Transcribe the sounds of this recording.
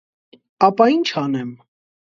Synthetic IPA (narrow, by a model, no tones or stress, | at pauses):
ɑpɑint͡ʃʰɑnɛm